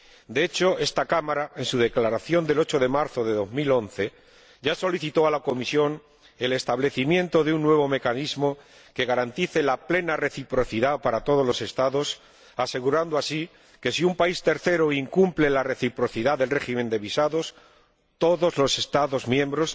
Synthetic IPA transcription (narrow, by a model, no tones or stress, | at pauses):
d̪eet͡ʃo̞e̞st̪akamaɾae̞nsuðe̞klaɾaθjo̞nd̪e̞lo̞t͡ʃo̞ðe̞maɾθo̞ðe̞ðo̞zmilo̞nθe̞ | ɟ͡ʝaso̞liθit̪o̞alako̞misjo̞n | e̞le̞st̪aβ̞le̞θimje̞nt̪o̞ðeunːwe̞β̞o̞me̞kanizmo̞ | ke̞ɣaɾant̪iθe̞laple̞nare̞θipɾo̞θiðapaɾat̪o̞ð̞o̞lo̞se̞st̪aðo̞s | ase̞ɣuɾand̪oasi | ke̞siumpaist̪e̞ɾθe̞ɾoiŋkumple̞lare̞θipɾo̞θiðaðe̞lre̞ximend̪e̞βisaðo̞s | t̪o̞ðo̞zlo̞se̞st̪aðo̞zmjẽ̞mbɾo̞s